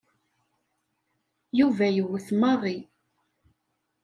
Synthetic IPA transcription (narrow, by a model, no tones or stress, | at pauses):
juvæjəwəθmɑʁˤi